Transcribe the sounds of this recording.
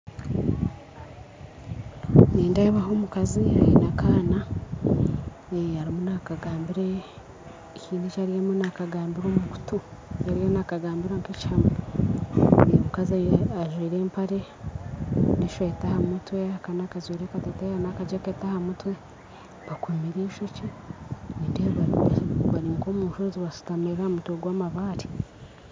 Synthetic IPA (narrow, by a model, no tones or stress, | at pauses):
niːndaeβaɦoːmukazia̰jinakaːna | eaɾimunakaɡaːmbiɾeː | ciːndit͡ʃaɾijemunakaɡaːmbiɾoːmmmuku̥tujaɾijenakaɡaːmbiɾaŋkecham | emukazaaʒwiːɾe̞ːmpaɾe | neʃweːtahamutweakanakazwiːɾekatotajanakad͡ʒekeːtahamutwe̞ | βakumiɾiːʃocinindehβaɾiβaɾiŋkoːmuːnʃoːziwasu̥tameɾamutweɡwaːmaβaːɾi